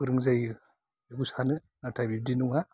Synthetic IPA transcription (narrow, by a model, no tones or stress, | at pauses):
ɯɾɯŋzaj | eɡusanɯ | atʰabib̚dinuŋa